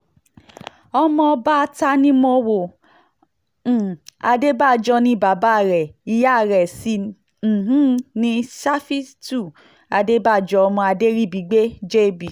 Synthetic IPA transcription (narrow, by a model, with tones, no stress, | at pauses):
ɔ˧mɔ̃˧ba˦˧ta˧nĩ˦mo˧wo˨ | a˧de˦ba˦˨d͡ʒɔ˧nĩ˧˦ba˨˦ba˦˨ɾɛ˨i˨˧ja˦˨ɾɛ˨sĩ˧˨ | ɦũ˦nĩ˧˦ʃa˦fi˦stu˦˨ | a˧de˦ba˦˨d͡ʒɔ˧˦ɔ˧mɔ̃˧a˧de˦ɾi˦˨bi˨˦ɡ͡be˦d͡ʒe˦˨bi˨